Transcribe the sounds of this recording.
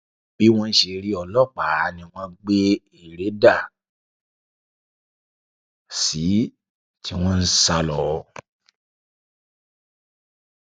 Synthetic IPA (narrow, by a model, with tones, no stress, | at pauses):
b̥i˨˦w̃ɔ̃˦n̩˦ʃe˧ɾi˦ɔ˧lɔ˦˨k͡pa˨˦nĩ˧w̃ɔ̃˦ɡ͡be˦ | i˦˨ɾe˨˦da˦˨ | si˨˦ | tʰi˦w̃ɔ̃˦n̩˦sa˧lɔ˨˧